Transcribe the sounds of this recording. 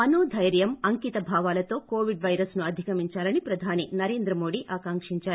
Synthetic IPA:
ɐnoːd̪ʱɐjɾjɐmɐŋkit̪ɐbʱaːʋaːlɐt̪o̞ːkoːʋiɖʋɐjɾɐsnuɐd̪ʱikɐmiɲt͡ʃaːlɐnipɾɐd̪ʱaːninɐɾe̞ːnd̪ɾɐmoːɽiʔaːkaːŋkʂiɲt͡ʃaːɾu

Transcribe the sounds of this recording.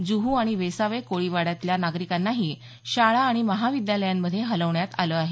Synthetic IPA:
d͡zuɦuaɽ̃iʋesaʋekoɭiʋaɽjat̪ljanaɡɾikanːaɦiː | ɕaɭaːɽ̃iməɦaʋid̪jaləjamːəd̪ʱːjeɦələʋɳjat̪aləːaɦe

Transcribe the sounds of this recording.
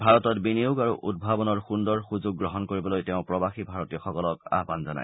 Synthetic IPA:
bʱaɹɔtɔtbiniuɡaɹuʔʔud̚bʱabɔnɔɹxundɔɹxuzoɡ̚ːɹɔɦɔnkoɹibɔlojteʊ̃pɹɔbaxibʱaɹɔtiɔxɔkɔlɔka̰ɦbanzɔna̰j

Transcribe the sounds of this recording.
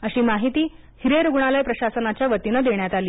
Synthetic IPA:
əɕiːmaɦit̪iː | hiɾeɾuɡɳalajpɾəɕasənat͡ɕjaʋət̪inəd̪eɳjat̪aliː

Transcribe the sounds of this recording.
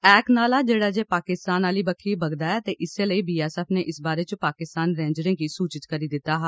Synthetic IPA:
ɛːknaːlaːd͡ʒeːɽaːd͡ʒeːpaːkɪst̪aːnaːliːbəkʰːiːbəɡd̪aːɛːt̪eːʔɪseːləiːbiːaːsɛːpʰneːʔɪsbaːɾeːt͡ʃpaːkɪst̪aːnɾẽːɲd͡ʒɾẽŋɡiːsuːt͡ʃɪt̪kəɾiːd̪ɪt̪ːaːɦaː

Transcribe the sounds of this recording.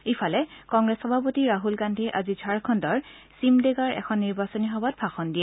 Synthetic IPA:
ejpʰalɛkɔŋɡɹesxɔbʱapotiɹaɦulɡandʱeʔazid͡ʒʰʱaɹkʰɔndɔɹ | simdeɡaɹɛ̰xʰɔnːiɹbasɔniɦɔbat̚bʰʱaxɔndijɛ

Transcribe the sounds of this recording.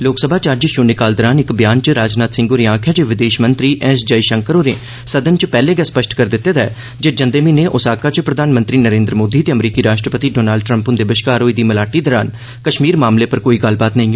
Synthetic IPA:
loːksəbʱaːt͡ʃəd͡ʒʃʊːnɪkaːld̪əɾaːnɪkbjaːnt͡ʃɾaːd͡ʒnaːt̪sɪ̃ŋɡoːɾiãːkʰjaːd͡ʒeːʋɪd̪eːʃmənt̪ɾiːʔɛ̃ːsd͡ʒəiːʃəŋkəɾoːɾeː | səd̪ənt͡ʃpɛːleːɡɛːspəʃʈkəɾd̪ɪt̪ːeːd̪ɛː | d͡ʒeːd͡ʒənd̪eːmiːneːʔʊsaːkaːt͡ʃpɾəd̪ʱaːnmə̃nt̪ɾiːnəɾẽːnd̪ɾəmoːd̪iːt̪eːəmɾiːkiːɾaːʃʈɾəpət̪iːɖɔːnaːlɖ̚ʈɾəmpʊ̃nd̪eːbəʃkaːɾoːiːd̪iːməlaːʈiːd̪ɔːɾaːn | kəʃmiːɾmaːmleːpəɾkoːiːɡəlbaːt̪nəĩː

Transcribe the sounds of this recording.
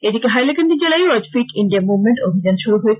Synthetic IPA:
ed̪ikeɦajlakand̪id͡ʑelajoɾɔd͡ʑfiʈiɳɖiaɾmubmeɳʈobʱid͡ʑanʃuɾuɦoe

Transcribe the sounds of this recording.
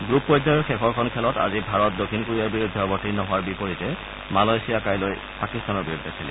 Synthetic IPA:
ɡɹupːɔjdajɔɹxɛkʰɔɹkʰɔnkʰɛlɔta̰zibʱaɹɔt̚dokʰinkuɹijaɹbiɹudʱːɔbɔtinɔɦʊwaɹbipoɹitɛ | malajsijakajloj | pakistanɔɹbiɹudʱːɛsʰɛlḭ

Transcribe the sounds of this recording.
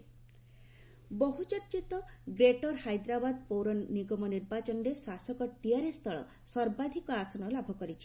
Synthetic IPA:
bɔɦut͡ʃɔɾt͡ʃit̪ɔɡɾeʈɔɾhajd̪ɾabad̪powɾɔnniɡɔmɔniɾbat͡ʃɔnɾesasɔkɔʈiaɾest̪ʰɔɭɔ̰ | sɔɾbad̪ʱikɔasɔnɔlabʱɔkɔɾit͡ʃʰi̥

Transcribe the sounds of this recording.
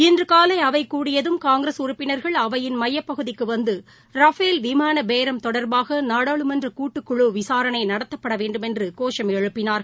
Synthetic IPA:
ɪndrɯkaːlɐɪɐʋɐɪkːuːɽɪjɐðɯmkaːŋɡɾɐsʊɾʊpːɪnɐɾɣɐɭɐʋɐjɪnmɐjːɐpːɐɣɯðɪkːɯʋɐnd̪ɯ | ɾɐfeːlʋɪmaːnɐbeːɾɐmt̪ɔɽɐɾbaːɣɐnaːɽaːɭɯmɐndrɯkuːʈːɯkːʊɻɯʋɪsaːɾɐnɐɪnɐɽɐt̪ːɐpːɐɽɐʋeːɳɖɯmɛndrɯkoːʂɐmɛɻɯpːɪnaːɾɣɐ

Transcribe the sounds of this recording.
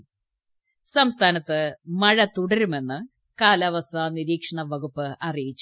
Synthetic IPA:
sɐmst̪ʰaːnɐt̪ːɨmɐɻɐt̪uɽɐɾume̞nːɨ | kaːlɐʋɐst̪ʰaːniɾiːkʂɐɳɐʋɐɡupːɨɐrijit͡ɕːu

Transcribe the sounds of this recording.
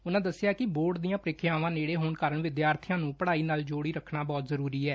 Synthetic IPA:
ʊnãːd̪əsːɪjaːkɪboːɾɖd̪ijãːpɾɪkʰjaːʋãːneːɽeːɦoːnkəɾəɳʋɪd̪jaːɾt̪ʰɪjãːnũːpəɽaːiːnaːld͡ʒoːɽiːɾəkʰnaːbɔːt̪zəɾuːɾiːɛː

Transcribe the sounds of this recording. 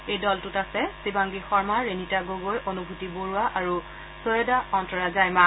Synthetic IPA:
ejdɔltutasɛsibaŋɡixɔɹmaɹenitaɡoɡojʔonubʱutiboɹuaʔaɹu | sojɔdaɔntɔɹazajma

